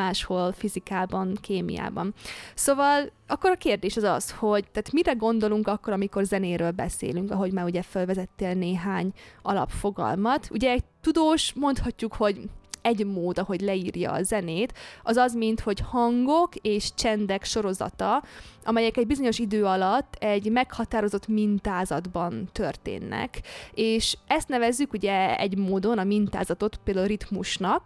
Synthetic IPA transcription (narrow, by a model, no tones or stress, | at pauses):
aːʃho̞lfizikaːbɒnkeːmḭja̰ːbɒnsoːvɒl | ɒkːo̞ɾɒkeːrd̪eːʃɒzɒ̰sho̞ɟt̪aːt̪miɾɛɡo̞nd̪o̞luŋkɒkːo̞ɾɒmikorzɛneːɾøːlbɛ̰sḛːlyŋkɒɦo̞ɟmaːɾuɟɛfølvɛzɛt̪ːeːlneːɦaːɲɒlɒ̰pfo̞ɡɒ̰lmɒt̪ṵɟɛːɟt̪ud̪oːʃmo̞nt̪hɒcːukho̞ɟɛɟmoːd̪ɒɦo̞ɟlɛiːrjɒ̰ːzɛneːt̪ɒzɒzmint̪ho̞chɒŋɡo̞keːʃt͡ʃɛnd̪ɛkʃo̞ɾo̞zɒ̰t̪ɒʔɒmɛjɛkɛɟbizo̞ɲo̞ʃid̪øːɒlɒt̪ːɛɟmɛkhɒt̪aːɾo̞zo̞t̪mint̪aːzɒd̪bɒnt̪ørt̪ḛːnːɛ̰keːʃɛst̪nɛvɛzːykuɟɛɛ̰ɟmoːd̪o̞nɒmint̪a̰ːzɒt̪o̞t̪peːld̪aːlɾit̪muʃnɒk